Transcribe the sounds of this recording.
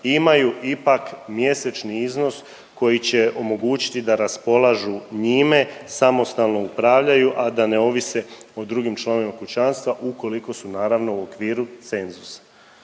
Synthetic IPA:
imajuʔipakmje̞set͡ʃniizno̞s | ko̞jit͡ɕe̞o̞mo̞ɡuːt͡ɕi̥t̪id̪aɾaspo̞lˠaʒuɲime̞samo̞st̪alˠno̞upɾaʋʎajuʔad̪ane̞o̞ʋise̞od̪ɾuːɡimt͡ʃlˠanoimakut͡ɕanst̪ʋaʔuko̞liko̞sunaːɾaʋno̞uo̞kʋiːɾut̪se̞nzusḁ

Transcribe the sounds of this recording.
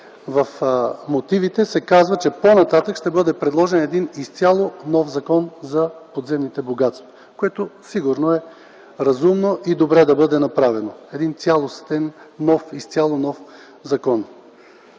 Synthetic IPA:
vɐfmot̪ivit̪ɛsɛkazvət͡ʃɛponɐt̪at̪əkʃt̪ɛbɤd̪ɛpɾɛd̪lˠɔʒɛnɛd̪inist̪sʲjalˠonɔfzɐkɔnzɐpod̪zɛmnit̪ɛboɡat̪st̪vo̥ | koɛt̪osiɡʊɾnoɛ | ɾɐzumnoʔid̪obɾɛd̪ɐbɤd̪ɛnɐpɾavɛnoɛd̪int̪sʲjalˠost̪ɛnːɔfist̪sʲalˠonɔf | zɐkɔn

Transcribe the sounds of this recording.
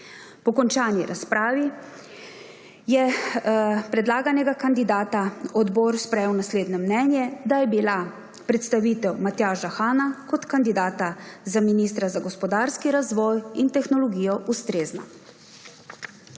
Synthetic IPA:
pɔkɔnt͡ʃaːnjiɾaspɾaːʋi | jɛ | pɾɛd̪laːɡanɛɡakand̪id̪aːt̪aɔd̪bɔːɾspɾɛjɛwnasleːd̪nɔmnɛːnjɛd̪ajɛbila | pɾɛt̪st̪aʋiːt̪ɛwmat̪jaːʃaxaːnakɔt̪kand̪id̪aːt̪azaminist̪ɾazaɡɔspɔd̪aɾskiɾazʋɔːjint̪ɛxnɔlɔɡijɔʔust̪ɾeːzna̰

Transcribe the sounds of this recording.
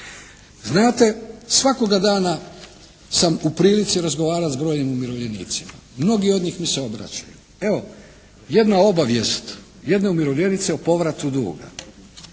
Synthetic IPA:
znaːt̪e̞sʋako̞ɡad̪aːna | samupɾiːlit̪siɾazɡo̞ʋaːɾat̪zbɾo̞ːjimumiɾoʋʎe̞nḭːt̪sima̰mno̞ɡio̞d̪ɲiːxmiseo̞bɾa̰t͡ɕaju | e̞ʋo̞ | je̞d̪nao̞baʋje̞st̪ | je̞d̪ne̞umiɾo̞ʋʎʲe̞nit̪seopo̞ʋɾat̪ud̪ṵːɡa̰

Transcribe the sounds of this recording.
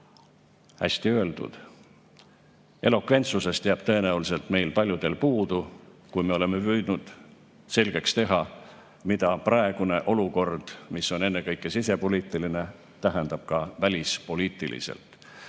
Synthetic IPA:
hæ̰sʲt̪iø̞e̞ld̪ṵd̪̥ | e̞lo̞kve̞nt̪suse̞st̪eæb̥t̪ɤ̞e̞næulise̞lt̪me̞jlpɑlʲjud̪̥e̞lpuːd̪̥ukujme̞o̞le̞me̞pyːd̪̥nud̪̥ | se̞lɡ̥e̞kst̪e̞ɦɑ | mid̪̥ɑprɑe̞ɡ̥une̞ʔo̞luko̞rd̪̥misːo̞ne̞nːe̞kɤjkːˑesise̞po̞liːt̪ːˑiline̞ | t̪æɦend̪ɑb̥kɑvælʲispo̞liːt̪ːˑḭlḭsḛlt̪ˑ

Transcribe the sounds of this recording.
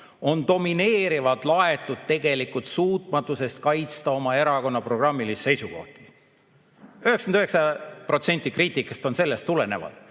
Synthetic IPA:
o̞nt̪o̞mine̞ːɾivɑd̪̥lɑe̞t̪ːˑud̪̥̚t̪e̞ɡe̞likːult̪suːt̪ˑmɑt̪ːˑuse̞st̪̚kɑjt̪st̪ɑo̞mɑe̞ɾɑko̞nːɑpro̞ɡ̥rɑmːilisse̞jsuko̞̰ht̪i̥ | yheksɑnd̪yhɦeksɑpro̞t̪se̞nʲt̪ːˑikriːt̪ˑikːˑɑst̪o̞nse̞lːe̞st̪ːule̞ne̞vɑ̰d̪̥

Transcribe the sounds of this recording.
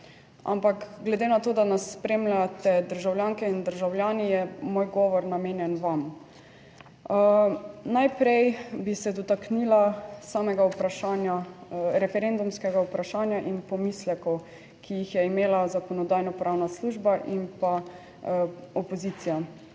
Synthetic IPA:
a̰mpakɡlɛd̪eːnat̪oːd̪anasːpɾeːmlʲjat̪ɛd̪əɾʒawlʲjaːŋkɛind̪əɾʒawljaːnijɛmoːjɡɔːʋɔɾnameːnjɛnʋam | najpɾɛjbisɛd̪ɔt̪aknilasaːmɛɡaupɾaʃanjaɾɛfɛɾend̪umskɛɡaupɾaʃaːnjaʔinpɔmislɛkɔw | kʰijixjɛimeːlazakɔnɔd̪aːjnɔpɾʔawnasluʒbaʔimpa | ɔpɔzit̪sija

